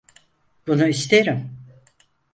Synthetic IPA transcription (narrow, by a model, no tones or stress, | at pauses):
b̥unuist̪ʰeɾim